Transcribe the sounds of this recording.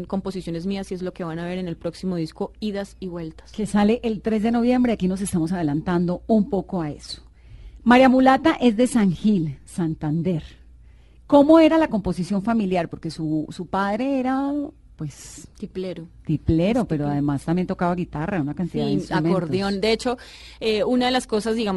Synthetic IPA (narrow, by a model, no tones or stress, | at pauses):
ko̞mposisjo̞ne̞zmiasie̞zlo̞ke̞βanaβe̞ɾenelpɾo̞ksimo̞ðisko̞iðasiβwe̞lt̪ḁske̞sale̞ʔelt̪ɾe̞zd̪e̞no̞βje̞mbɾe̞akinos̬e̞st̪amo̞s̬aðe̞lant̪and̪o̞umpo̞ko̞ae̞̰so̥ | maɾjamulat̪aʔe̞zd̪e̞saŋxilsant̪and̪e̞ɾ | ko̞mo̞e̞ɾalako̞mpo̞sisjo̞ɱfamiljaɾpo̞ɾke̞susupaðɾe̞eɾa | pwe̞st̪ipleɾot̪ɾiple̞ɾope̞ɾoaðemast̪ambjent̪o̞kaβaɣit̪araunakaniðaðeistɾumenoɾðojond̪eet͡ʃo̞ | eunaðelasko̞sazd̪iɣam